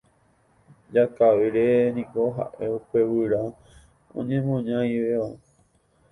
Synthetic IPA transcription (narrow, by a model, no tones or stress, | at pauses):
d͡ʒakaʋiɾenĩkoɦa̰ʔe̞upe̞wɨɾa | õ̰ɲẽmõɲãj̃ʋeo